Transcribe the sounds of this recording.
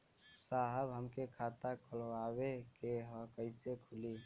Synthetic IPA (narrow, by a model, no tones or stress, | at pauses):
saɦəbɦəmkekʰat̪akʰəlwabekeɦɔ̃kəɪsekʰuli